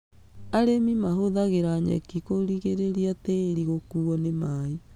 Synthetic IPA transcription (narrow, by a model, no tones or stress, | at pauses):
aɾemimaɦoðaɣeɾaɲɛ̰kikoɾiɣeɾeɾiatɛɾiɣokuːɔnemai